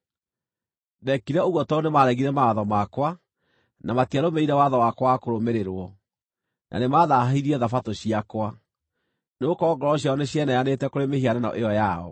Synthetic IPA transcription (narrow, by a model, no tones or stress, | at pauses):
ndɛkiɾɛoɣwɔtɔonemaɾɛɣiɾɛmaːðɔmakwa | namatiaɾomeiɾɛwaðɔwakwakoɾomeɾeɾwɔ | nʔa̰nemaðaɦiɾiɛðafatoɕiakwa | neokɔːŋɡɔɾɔɕjaɔneɕɛnajanetɛkoɾemehiananɔ̰ʔeɔjaɔ̰